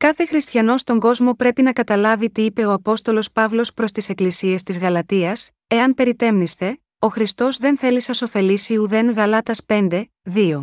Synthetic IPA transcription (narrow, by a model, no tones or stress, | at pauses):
kɐθe̞xɾist̪çɐno̞st̪o̞ŋɡo̞zmo̞pɾe̞pinɐkɐt̪ɐlɐvit̪iipe̞o̞ɐpo̞st̪o̞lo̞spɐvlo̞spɾo̞st̪ise̞klisie̞st̪izɣɐlɐt̪iɐs | e̞ɐnpe̞ɾit̪e̞mnist̪e̞ | o̞xɾist̪o̞zðe̞nθe̞lisɐso̞fe̞lisiuðe̞ŋɣɐlɐt̪ɐspe̞nd̪e̞ | ðio̞